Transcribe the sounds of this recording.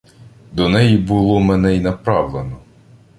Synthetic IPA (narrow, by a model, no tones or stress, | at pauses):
d̪ɔnɛjibʊlˠɔmɛnɛinɐpɾɑwlˠenɔ